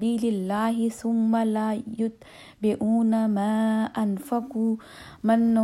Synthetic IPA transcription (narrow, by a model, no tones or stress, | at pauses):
iːlɪlːaːɦɪθʊmːalajʊt̪ | bɪʔuːnamaːʔanfakuː | manː